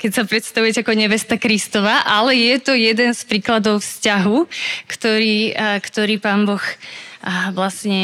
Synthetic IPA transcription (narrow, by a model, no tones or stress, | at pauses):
kɛcsapɾɛt̪st̪aʋujɛcɛakɔɲɛʋɛst̪akɾist̪ɔʋaʔalɛjɛt̪ɔjɛd̪ɛnspɾiːklad̪ɔʊfscaɦukt̪ɔɾiːkt̪ɔɾiːpaːnbɔx | ʋlasɲɛ